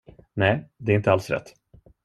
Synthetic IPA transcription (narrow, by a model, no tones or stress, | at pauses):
nɛːd̪ɛɾɪnt̪əalsɾɛ̰t̪ː